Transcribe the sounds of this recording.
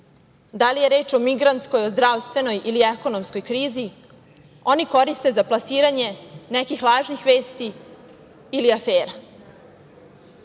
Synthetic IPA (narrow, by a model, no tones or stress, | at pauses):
d̪alijeɾe̞ːt͡ʃo̞miɡɾant̪sko̞jo̞zd̪ɾaʋst̪vʋe̞no̞jʔiliɛko̞no̞msko̞jkɾiːzi | o̞niko̞ɾist̪ezaplˠasiːɾaɲe̞nɛkixlˠaːʒnixʋeːst̪iː | liafeːɾa